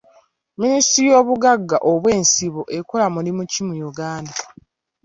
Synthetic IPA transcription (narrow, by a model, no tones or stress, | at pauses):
ministiɾijo̞ːβuɡaɡːaʔoβwe̞ːnsiβo̞ʔe̞kolamulimucimujuɡaːnda